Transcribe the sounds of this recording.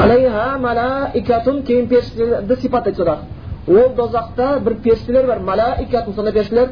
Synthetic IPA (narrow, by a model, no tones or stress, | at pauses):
alejɦæmælæɪkʲat̪ʊnkʲʰejɪnpʲeɾʃleɾd̪ɪsipɑt̪ːejt̪solˠɑɾ | wolˠd̪ozɑqt̪ɑbɪɾpʲʰeɾsileɾbɑɾmælaʔɪkʲat̪unsonɑpeɾʃɪleɾ